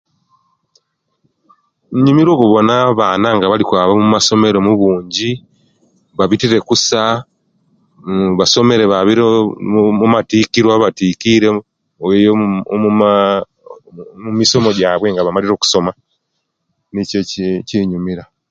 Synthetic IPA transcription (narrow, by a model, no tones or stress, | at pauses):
ɲumiɾo̞ːkuβo̞naβaːnaŋɡaβalikwaːβamumaso̞me̞ɾe̞muβuːɲɟi | βaβitiɾe̞kusa | βaso̞me̞ɾe̞βaβiɾemumatikiɾwaβatikiɾe | ojo | mumiso̞mo̞ɟaːβwe̞ŋɡaβamaliɾo̞ːku̥so̞ma | niceciɲumiɾa